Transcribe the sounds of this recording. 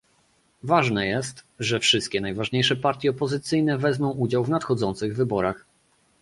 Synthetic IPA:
vaʐnɛjɛst̪ʐɛfʂɘst̪̚kʲɛnajvaʐɲejʂɛpaɾt̪ʲjɛɔpɔzɘt̪sɘjnɛvɛzmɔ̃w̃ud͡ʑawvnat̪xɔd̪zɔnt̪sɘɣvɘbɔɾax

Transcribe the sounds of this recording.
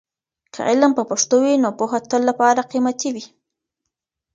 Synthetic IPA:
kʰa̰ʔɪlmpəpaʂt̪owinopoxat̪ːəlːapɑɾaqimat̪iwi

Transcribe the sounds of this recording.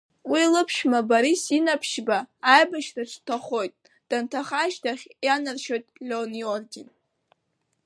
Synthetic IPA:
wilɨpʰʃmabaɾisinapʰʃbaːjbaʃraʈ͡ʂʷʰtʰaχo̞jtʼ | d̥antʰaχaʃtʰaχʲjanɨrʃo̞jtʼlʲoniordin

